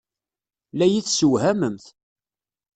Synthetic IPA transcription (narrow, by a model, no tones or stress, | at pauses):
læjiθsəwhæməmθ